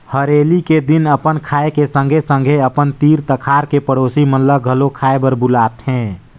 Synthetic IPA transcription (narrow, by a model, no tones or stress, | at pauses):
həɾeːliked̪ɪnəpənkʰaːekesə̃ŋɡʱesə̃ŋɡʱeəpənt̪iːɾt̪əkʰaːɾkepəɽoːsimənləɡʱəlokʰaːebəɾbʊlaːt̪ɦɛ̃ː